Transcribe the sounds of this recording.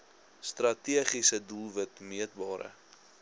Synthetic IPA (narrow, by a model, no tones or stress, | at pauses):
st̪rɐtiəχisədulˠvətmiət̚bɑːɾʔə̰